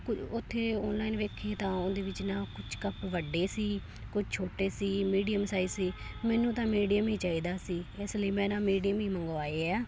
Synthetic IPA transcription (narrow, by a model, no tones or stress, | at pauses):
kʊʊt̪ʰːeːɔːnlaːinʋeːkʰeːt̪ãːond̪eːʋɪt͡ʃnaːkʊt͡ʃʰkəpʋəɖːeːsiː | kʊt͡ʃʰt͡ʃʰoːʈeːsiːmiːɖijəmsaːisiː | mɛːnũːt̪ãːmiːɖijəmiːt͡ʃaːiːd̪aːsiːesləiːmɛ̃ːnãːmiːɖijəmiːməŋɡʋaːeːɛː